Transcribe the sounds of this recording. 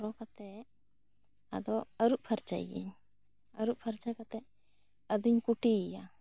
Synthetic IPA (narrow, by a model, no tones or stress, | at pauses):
ɾɔkat̪ɛʔ | a̰d̪ɔəɾuʔpʰaɾt͡ʃa̰j̰ɡḭɲ | əɾuʔpʰaɾt͡ʃakat̪ɛ | əd̪ɔɲkuʈiija